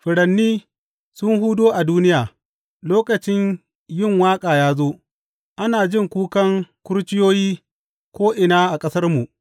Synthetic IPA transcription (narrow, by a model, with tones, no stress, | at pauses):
ɸɪ˨ɽɐ˨nːiː˦ | sʊ˦ŋhu˦doː˦ʔa˨duː˦nɪ˦jaː˨ | loː˦kɐ˨t͡ʃɪ˦ɲ | jɪ˦˨ŋwaː˦kʼaː˨jaː˦zoː˦ | ʔa˦naː˨d͡ʒɪ˦ŋkʷuː˦kɐ˦ŋkʷʊ˦ɽt͡ʃɪ˦joː˦jiː˦ | kʷoː˦ʔɪ˨naː˦ʔa˨kʼɐ˦sɐ˦rmu˨ʔ